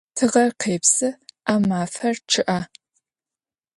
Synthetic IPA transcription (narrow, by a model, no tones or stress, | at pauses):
tʰɨʁɐrqʰeːpsɨaːmaːfɐrʈ͡ʂʰɨʔaː